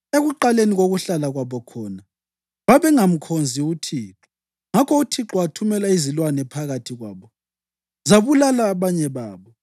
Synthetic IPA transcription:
eɣuǃaleniɣoɣuɬalaɣwaβɔkʰɔːna | βaβɛŋam̩kʰond͡zʱiutʰiːǁɔ̥ | ŋakʰɔutʰiǁɔatʰumɛlaizilwanɛpʰaɣatʰiɣwa̰ːβɔ | zaβulalaːβaɲɛβaːβɔ

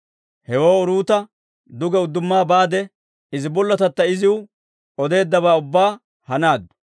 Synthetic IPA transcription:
hɛwo̞ːʊɾuːt̪ɐ | d̪ʊɡɛʊd̪ːʊmːaːbaːd̪ɛ | ɪzɪbɔlːɐt̪ɐt̪ːɐɪzɪʊ | ɔd̪e̞ːd̪ːɐbaːʊbːaː | hɐnaːd̪ːʊ̥

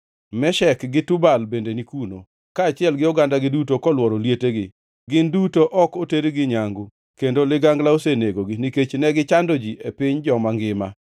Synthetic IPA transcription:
mɛʃɛkɡɪtubalbendenikuno | kaːt͡ʃɪɛlɡɪɔɡandaɡɪdutokɔlwɔɾoljeteɡɪ | ɡɪndutoʔɔkoteɾiɡɪɲaŋɡʊ | kendolɪɡaŋɡlaoseneɡoɡiniket͡ʃnɛɡɪt͡ʃandod͡ʒiʔepɪɲd͡ʒɔmaŋɡɪma̰

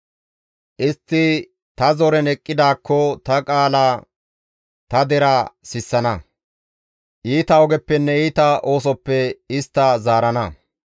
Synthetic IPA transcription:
ʔɪst̪ːɪ | t̪ɐzɔɾɛnɛkʼːɪd̪aːkːɔt̪ɐkʼaːla | t̪ɐd̪ɛɾɐsɪsːɐnɐ | ʔiːt̪ɐɔɡɛpːɛnːɛiːt̪ɐo̞ːs̬ɔpːɛɪst̪ːɐzaːɾɐnɐ

